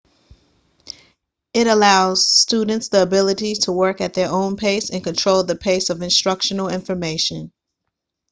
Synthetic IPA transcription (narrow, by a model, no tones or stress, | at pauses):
ɪɾəlaʊz̥studⁿn̩tsðiəbɪlˠəɾiɾʰəwɜ˞kɨt̪̚ðə˞ʔõʊ̃npʰeɪsɨ̃nkɨ̃ntʰɹ̥oʊlˠðɨpʰeɪsʌvɨ̃nstɹ̥ʌkʃɨn̩l̩ˠɪ̃ɱfə˞meɪʃɨ̃n